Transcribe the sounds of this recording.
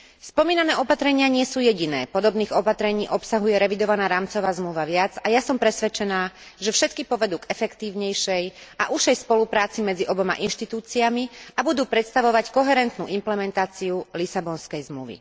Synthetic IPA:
spɔmiːnanɛːɔpat̪ɾɛɲɪaɲɪɛsuːjɛɟinɛ̰ːpɔd̪ɔbniːɣɔpat̪ɾɛɲiːʔɔpsaɦujɛɾɛʋid̪ɔʋanaːɾaːmt͡sɔʋaːzmluʋaʋɪad͡zajasɔmpɾɛsʋɛt͡ʃɛnaː | ʒɛfʃɛt̪kipɔʋɛd̪uːɡɛfɛkt̪iːʊɲɛjʃɛjʔa̰ʔuʃɛjspɔlupɾaːt͡simɛd͡ziʔɔbɔma̰ʔinʃt̪it̪uːt͡siamiabud̪uːpɾɛt̪st̪aʋɔʋackɔɦɛɾɛnt̪nṵːʔimplɛmɛnt̪aːt͡siulisabɔnskɛjzmluʋḭ

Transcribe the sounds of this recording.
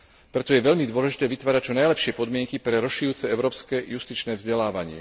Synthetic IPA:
pɾɛt̪ɔjɛʋɛʎmid̪ʊɔlɛʒit̪ɛːʋit̪ʋaːɾac̚t͡ʃɔnajlɛpʃɪɛpɔd̪mɪɛŋkipɾɛɾɔʃijuːt͡sɛɛʊɾɔːpskɛjust̪it͡ʃnɛːvzɟɛlaːʋaɲɪɛ̰

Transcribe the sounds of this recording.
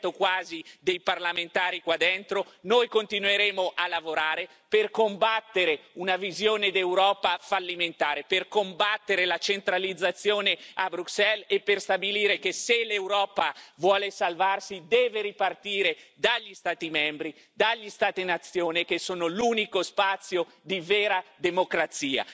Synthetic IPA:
t̪okwaːzid̪ejparlament̪aːɾikwad̪ːent̪ɾonojkont̪inweɾeːmoʔalːavoɾaːɾe | perkombat̪ːeɾeunavizjoːned̪ewɾɔːpafalːiment̪aːɾeperkombat̪ːeɾelat͡ʃent̪ɾalid̪zːat̪sːjoːneabɾuksɛlepːerst̪abiliːɾekeselewɾɔːpavwɔːlesalvarsid̪ɛːveɾipart̪iːɾed̪aʎːist̪aːt̪imɛmbɾi | d̪aʎːist̪aːt̪enat̪sːjoːnekesːoːnoluːnikospat̪sːjo | d̪iveːɾad̪emokɾat̪siːa̰

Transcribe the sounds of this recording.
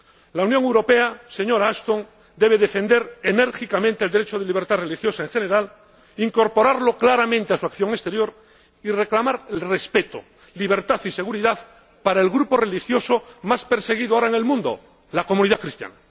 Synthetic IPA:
launjoŋewɾo̞pe̞ase̞ɲo̞ɾaast̪oŋ | d̪e̞β̞eðe̞fe̞nd̪e̞ɾene̞ɾxikamẽnt̪eld̪eɾet͡ʃoðeliβɾt̪are̞lixjo̞sae̞ŋxe̞ne̞ɾal | iŋko̞ɾpo̞ɾaɾlo̞klaɾamẽnt̪easuakθjo̞ŋe̞st̪eɾjo̞ɾ | ire̞klamaɾelre̞spe̞t̪o̰ | liβ̞e̞ɾt̪aθise̞ɣuɾiðað | paɾaelɣɾupo̞re̞lixjo̞so̞maspe̞ɾse̞ɣiðoaoɾaeŋe̞lmũnd̪o̞̰ | lako̞mũniðakɾist̪ja̰na

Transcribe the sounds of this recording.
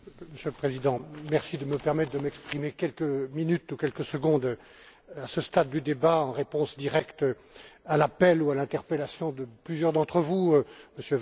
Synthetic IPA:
məsjøləpχezid̪ɑ̃mɛʁsid̪əməpɛʁmɛt̪χd̪əmɛkspχimekʲɛlkəminyt̪ukʲɛlkəsəɡɔ̃d̪ | asəst̪ad̪ːyd̪ebaɑ̃ʁepɔ̃sd̪iʁɛkt̪ | alapɛlualɛ̃t̪ɛʁpelasjɔ̃d̪əplyzjœʁd̪ɑ̃t̪χəvuməsjø

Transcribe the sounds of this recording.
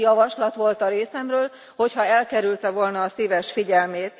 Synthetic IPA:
jɒvɒʃlɒt̪ʋo̞lt̪ɒɾeːsɛmrøːl | ho̞chɒɛlkɛɾylt̪ɛvo̞lnɒːseːvɛʃfiɟɛlmeːt̪

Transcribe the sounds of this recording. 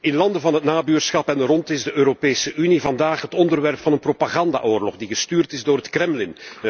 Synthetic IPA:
ɪnlɑndəvɑnɦətnaːbyːrsxɑpɛnrɔntɪzdəøːɾopeːsəʔynivɑndaːχɦətɔndərʋɛrpfɑnənpropaɣɑnda̰ːʔoːrlɔɣdiɣəstyːrtɪzdoːrətkrɛmlɪn

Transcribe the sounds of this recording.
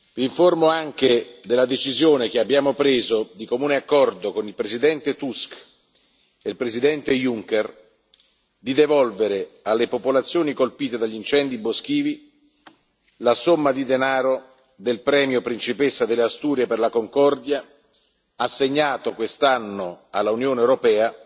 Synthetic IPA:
viːɱformoaŋk̟ed̪elːad̪et͡ʃizjoːnek̟eabːjaːmopɾeːzod̪ikomuːneakːɔrd̪okonilpɾezid̪ɛnt̪et̪usk | elpɾezid̪ɛnt̪ejuŋkɛr | d̪id̪evɔlveɾealːepopolat̪sːjoːnikolpiːt̪ed̪aʎːint͡ʃɛnd̪ibosk̟iːvi | lasomːad̪id̪enaːɾo | d̪elpɾɛːmjopɾint͡ʃipesːad̪eleast̪uːɾjaperlakoŋkɔrd̪ja | asːeɲːaːt̪okwest̪anːoalːaunjoːneewɾopɛːa

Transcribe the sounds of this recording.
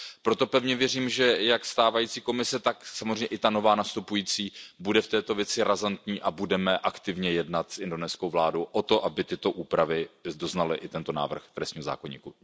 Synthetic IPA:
pɾo̞t̪o̞pɛvɲɛvjɛriːmʒɛjakst̪aːvajiːt͡siːko̞mɪsɛt̪aksamozrɛɲɛʔɪt̪ano̞vaːnast̪upujiːt͡siːbudɛft̪ɛːt̪o̞vjɛt͡sɪɾʔazant̪ɲiːʔabudɛmɛʔakt̪ɪvɲɛjɛdnat̪sʔɪndo̞nɛskowvlaːdowʔot̪o̞ʔabɪt̪ɪt̪o̞ʔuːpɾavɪdo̞znalɪʔɪt̪ɛnt̪o̞na̰ːvr̩xt̪ɾɛst̪ɲiːɦoza̰ːkoɲḭːku

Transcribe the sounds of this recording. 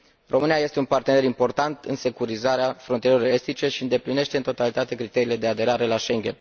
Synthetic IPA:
rʔo̞mɨnijaje̞st̪e̞unpart̪e̞ne̞ɾimpo̞rt̪ant̪ɨnse̞kuɾizaɾeafɾont̪ieelo̞ɾe̞st̪it͡ʃe̞ʃiɨnd̪e̞pline̞ʃt̪eɨnt̪o̞t̪alit̪at̪e̞kɾit̪e̞ɾile̞d̪e̞ad̪e̞ɾaɾe̞laʃe̞ŋɡʲḛn

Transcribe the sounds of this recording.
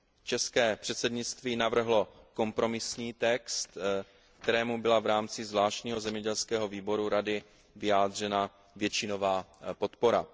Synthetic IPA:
t͡ʃɛskɛːpr̝̥ɛt̪sɛdɲɪt͡st̪viːnavr̩ɦlo̞ko̞mpɾo̞mɪsɲiːt̪ɛkst̪ | kt̪ɛɾɛːmubɪlavɾaːmt͡sɪzvlaːʃcɲiːɦo̞zɛmɲɛɟɛlskɛːɦo̞viːbo̞ɾuɾadɪ | vɪjaːd̪r̝ɛna | vjɛt͡ʃɪno̞vaːpo̞t̪po̞ɾa̰

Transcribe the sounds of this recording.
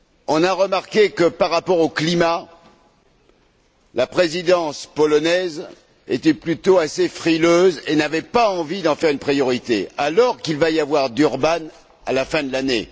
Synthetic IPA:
ɔ̃naʁəmaʁkʲekəpaʁːapɔʁoklima | lapχezid̪ɑ̃spɔlɔnɛz | et̪ɛplyt̪oasefχiløzenavɛpaɑ̃vid̪ɑ̃fɛʁynpχijɔʁit̪ḛalɔʁkʲilvajavwaʁd̪yʁban | a̰lafɛ̃d̪əlanḛ

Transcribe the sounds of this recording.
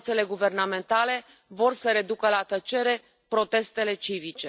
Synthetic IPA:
t̪se̞le̞ɡuve̞rname̞nt̪ale̞ | vo̞rsəɾe̞d̪ukəlat̪ət͡ʃe̞ɾe̞ | pɾo̞t̪e̞st̪e̞le̞t͡ʃivit͡ʃe

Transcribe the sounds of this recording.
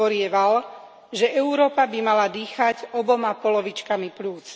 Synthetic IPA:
ɔɾɪɛʋal | ʒɛʔɛʊɾɔːpabimalad̪iːxaɟɔbɔmapɔlɔʋit͡ʃkamipluːt͡s

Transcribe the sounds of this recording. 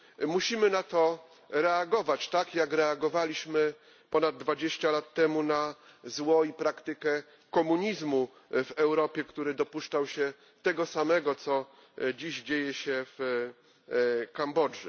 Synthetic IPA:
muɕimɘnat̪ɔ | ɾɛaɡɔvat͡ɕt̪akjakɾɛaɡɔvalʲiɕmɘ | pɔnad̪̚ːvad͡ʑeɕt͡ɕalat̪ːɛmuna | zwɔipɾakt̪ɘkɛ | kɔmuɲizmu | vɛwɾɔpʲjɛkt̪uɾɘd̪ɔpuʂt͡ʂawɕɛ | t̪ɛɡɔsamɛɡɔt̪sɔ | d͡ʑiʑd͡ʑejɛɕɛf | kambɔd͡ʐɛ

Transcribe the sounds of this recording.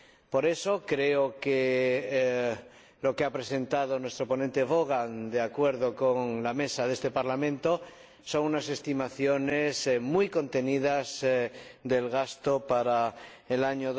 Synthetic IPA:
po̞ɾe̞so̞kɾeoke | lo̞keapɾe̞se̞nt̪að̞onwe̞st̪ɾo̞po̞nẽnt̪e̞βoɣ̞and̪eakwe̞ɾðo̞ko̞ŋlame̞saðe̞st̪e̞paɾlamẽnt̪o̞ | so̞ŋunase̞st̪imaθjo̞nesmujko̞nt̪e̞nið̞az | ðe̞lɣast̪opaɾaelaɲoð

